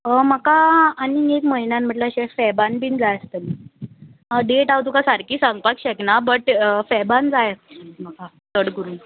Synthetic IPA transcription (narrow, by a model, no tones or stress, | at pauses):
əməkaːninekməinãnm̤əʈləəɕɛ̃fɛbanpiːnd͡zajəst̪ən | əɖeʈaʋwt̪ukasaɾkiːsaŋɡpakɕɛknabəʈfɛband͡zajəst̪nm̤əka | t̪əɽɡəɾuːn